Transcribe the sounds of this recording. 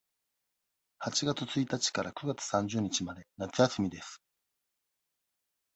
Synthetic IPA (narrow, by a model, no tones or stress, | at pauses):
hat͡ɕiɡat͡sɨt͡sɨit̪at͡ɕi̥kaɾakɯ̟ɡat͡sɨ̥sãɲ̟d͡ʑɨːɲ̟it͡ɕimad̪e̞nat͡sɨjasɨmʲid̪esɨ̥